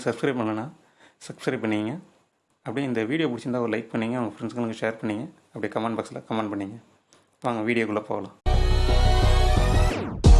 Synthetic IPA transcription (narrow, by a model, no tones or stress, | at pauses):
sɐbskɾɐɪpɐɳːɐnːaː | sɐbskɾɐɪbpɐɳːiŋɡɐ | ɐpːɐɽĩɪnd̪ɐʋiːɽɪjoːpʊɽɪt͡ʃːɯnd̪aːɔɾlɐɪk̚pɐɳːiːŋɡɐaːŋɡɐfɾɛnskɐnkːɯʃeːɾpɐɳːɪːŋɡɐ | ɐpːɐɽikɐmɐːɳɖbaːkslɐ̰kɐmɐɳɖpɐɳːiːŋɡɐ | paːŋɡɐʋiːɽɪjoːkʊɭlːɐpo̰ːɐlãː